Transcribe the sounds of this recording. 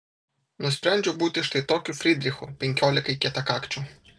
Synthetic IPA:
nɔsʲpɾɛnʲd͡ʒʲʊbut̪ɪʃt̪ɪt̪ɔkʲʊfɾʲid̪ɾʲixʊpɪŋʲkʲɔlʲɪkɐjkʲɛt̪ɐkakt͡ʃʊ

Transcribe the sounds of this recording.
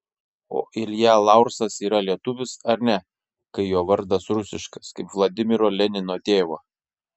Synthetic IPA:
o̰ːʔɪlʲjæːlˠɑˑʊɾsɐsiːɾɐlʲiɛt̪ʊʋʲɪsɐɾnʲɛ | kɐɪjoːʋɐɾd̪ɐsɾʊsʲɪʃkɐskɐɪpʋlˠod̪ʲɪmʲɪɾoːlʲɛnʲɪnoːt̪ʲeːʋoː

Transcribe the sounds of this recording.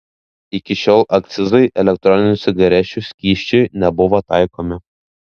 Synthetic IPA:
ɪkʲɪʃʲoːlˠʔɐk̚t̪sʲɪzɐɪʔɛlʲɛk̚t̪ɾɔnʲɪnʲʊsʲɪɡɐɾʲɛʃʲusʲkʲiːʃʲt͡ʃʲɛɪnʲɛbʊʋoːt̪ɑˑɪkoːmʲɪ

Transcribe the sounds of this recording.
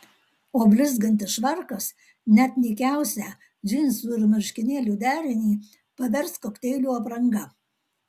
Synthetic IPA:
oːbʲlʲɪzɡɐnʲt̪ʲɪʃʋɐɾkɐs | nʲɛt̪nʲɛkʲæˑʊsʲæː | d͡ʒʲɪnʲsuːɪɾmʲɪɾʲʃʲkʲɪnʲeːlʲuːd̪ʲæːɾʲɪnʲiː | pɐʋʲɛɾskoːkt̪ʲɛɪlʲuːɐpɾɐŋɡɐ

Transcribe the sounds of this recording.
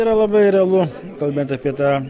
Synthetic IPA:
iːɾɐlˠɐbɐɪɾʲɛlˠʊ | kɐlˠʲbʲeːnt̪ɐpʲiɛt̪ɑː

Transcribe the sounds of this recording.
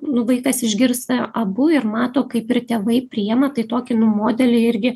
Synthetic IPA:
nʊʋɐɪkɐsɪʒʲɡʲɪrst̪ɐɐbʊɪrmɑːt̪oːkɐɪpɪrt̪ʲeːʋɐɪpʲɾʲɪɛːmɐt̪ɐɪt̪oːkʲɪnʊmoːd̪ʲɛlʲɪɪɾʲɡʲɪ

